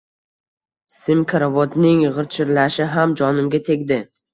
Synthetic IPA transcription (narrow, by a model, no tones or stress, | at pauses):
sɪmkʲʰaɾavɒd̪nɪŋʁɨɾt͡ʃʰɪɾlaʃɪɦamd͡ʒɒnɪmɡʲat̪ʰeɡʲd̪ɪ